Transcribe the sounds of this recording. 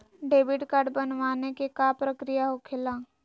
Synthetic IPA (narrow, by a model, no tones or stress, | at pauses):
ɖeːbɪʈkaɾɖbənʋaːnekekapɾəkɾijaɦokʰɪlãː